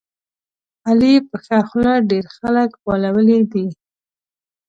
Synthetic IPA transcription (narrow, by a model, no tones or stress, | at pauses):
alipəxaxlaɖeɾxaləkbalawəlid̪i